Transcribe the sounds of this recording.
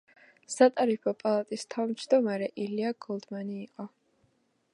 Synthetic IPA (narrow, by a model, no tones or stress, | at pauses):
sat̪ʼaɾipʰɔpʼalˠat̪ʼist̪ʰavmd͡ʒd̪ɔmaɾɛʔiliaɡ̥ɔlˠd̪maniːqʼɔ